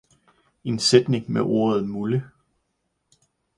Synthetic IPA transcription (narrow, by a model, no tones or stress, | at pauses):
e̝nsed̥ne̝ŋmeʔo̝ɐð̞̩ˠmulə